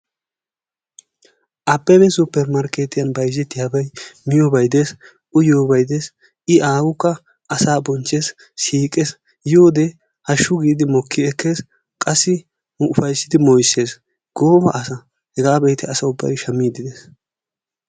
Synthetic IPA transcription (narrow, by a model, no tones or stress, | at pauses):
ʔɐpːɛmɛsʊpːɛɾmɐɾkʼe̞ːt̪ɪjɐnbɐjzɛt̪ːɪjaːbɐjmɪjoːbɐjd̪e̞ːs | ʔʊjoːbɐjd̪eːs | ɪʔaːɡʊkːɐ | ɐsaːbɔnt͡ʃːeːs | siːkʼes | joːd̪ɛ | hɐʃːʊɡiːd̪ɪmɔkʰːɪɛkːe̞ːs | kʼɐsːɪ | ʊfɐjsːɪd̪ɪmɔjsːe̞ːs | ɡ̥oːbɐ̰ʔɐsɐ | hɛɡaːbe̞ːt̪ɪɐsɐʊbːɐ̰jʃɐmːiːd̪ɪd̪es